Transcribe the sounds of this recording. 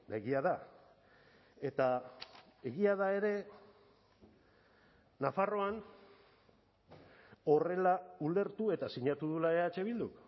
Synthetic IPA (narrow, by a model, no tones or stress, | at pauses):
deɣiað̞a | e̞t̪a | eɣiað̞ae̞ɾe̞ | nafaro̞an | o̞re̞laule̞ɾt̪ue̞t̪asiɲat̪uðulaeat͡ʃe̞β̞ild̪uk